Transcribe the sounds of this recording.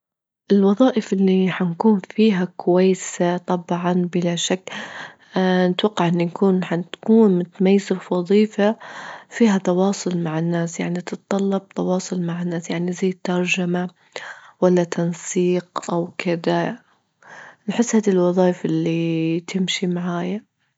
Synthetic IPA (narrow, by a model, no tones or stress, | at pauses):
ʔɪlwɑðˤɑːʔɪfʔɪlːiħankuːnfiːɦakwajːsat̪ˤɑbʕɑnbɪlaʃakː | nɪt̪waqːaʕʔɪnːjnkuːnħant̪kuːnmɪt̪majːzɪfwɑðˤiːfafiːɦat̪ɑwɑːsˤʊlmaʕɪnːaːsjaʕnit̪ɨt̪t̪ˤːɑlːɑb̚t̪ɑwɑːsˤʊlmaʕɪnːaːsjaʕnizajːɪt̪ːɑɾˤd͡ʒama | walːat̪ʰɑnsiːqʔawkɪd̪a | nħɪsːhaːd̪ilwɑðˤɑːʔɪfʔɪlːit̪ʰɪmʃimaʕaːja